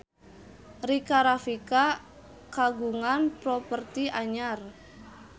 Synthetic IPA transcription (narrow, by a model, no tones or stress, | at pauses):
rikaɾafika | kaɡuŋanpɾɔpərt̪iʔaɲar